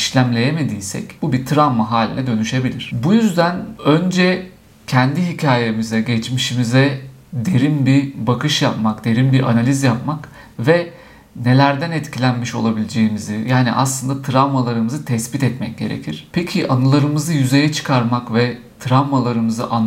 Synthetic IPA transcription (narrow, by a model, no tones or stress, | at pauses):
iʃlʲæmlʲe̞jemed̪iːsɛ̰cbubit̪ʰɾavmaɦaːlʲḭnɛd̪ø̞nyʃe̞bilʲiɾ̝̥bujyzd̪ænø̞nd͡ʒɛ | cʰɛnd̪iɦicʰaːjemizɛɟɛt͡ʃmiʃimizɛ | d̪e̞ɾimbibakʰɯʃjapmakd̪e̞ɾimbiʔa̰nalʲizjapmak | vɛ | ne̞lʲæɾd̪ænɛt̪cʰilʲænmiʃo̞̰lˠabilʲid͡ʒe̞jimizijaːnḭʔa̰slˠɯnd̪at̪ʰɾavmalˠaɾɯmɯzɯt̪ʰɛsbit̪ɛt̪mɛc̚ɟ̥e̞ɾḛcʰiɾ̥pʰecʰiʔanɯlˠaɾɯmɯzɯjyze̞jɛt͡ʃʰɯ̥kʰaɾmakvɛ | t̪ʰɾavmalˠaɾɯmɯzɯ̰ʔan